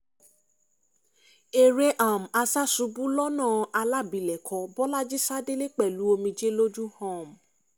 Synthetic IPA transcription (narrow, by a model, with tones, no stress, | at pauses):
e˨ɾe˧ʔa˨m̩˨a˧sa˦su˧˦bũ˦lɔ˦nãː˦˨ʔa˧la˦˨bi˨lɛ˨kʰɔ˨˦bɔ˦la˦d͡ʒi˦sa˦de˦le˦k͡pɛ˦˨lu˨˦o˧mĩ˧d͡ʒe˦lo˦d͡ʒu˦hɔ̃˦˨m˨